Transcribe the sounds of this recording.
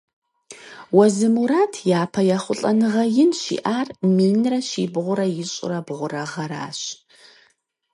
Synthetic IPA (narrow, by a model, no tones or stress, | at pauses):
wɐzɨmuɾaːtʰjaːpʰɐjaχʷʊɬʼɐnɨʁɐjɪnʃḭːʔaːrmiːnrɐɕiːbʁʷʊɾɐjɪɕʼɪ̰rɐbʁʷʊrɐʁɐɾa̰ːɕ